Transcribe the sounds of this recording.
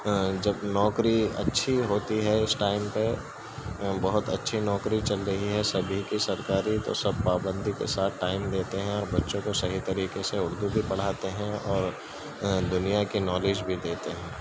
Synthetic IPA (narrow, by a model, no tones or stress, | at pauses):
d͡ʒɐbnɔːkɾiɐ̰tːʃʰiɦoːt̪iɦɛɪsʈaːɪmpe | bɐɦʊt̪ɐ̰tːʃʰinɔːkɾit͡ʃɐlɾɐɦiɦɛsɐbʱikisɐɾkaːɾit̪o̰sɐb̚paːbə̃nd̪ʱikḛsaːt̪̚ʰʈaːɪmd̪eːt̪eɦɛ̃ɔːɾbɐtːʃõkosɐɦit̪ɐɾiːkeseʊɾd̪ubʱipɐɽ̤aːt̪eɦɛ̃ɔːɾ | d̪ʊnijakinɔːleːd͡ʒbʱid̪eːt̪eɦɛ̃ː